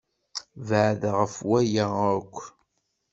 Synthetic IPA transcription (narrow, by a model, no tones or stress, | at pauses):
vʕðʁəfwæjaəkʷː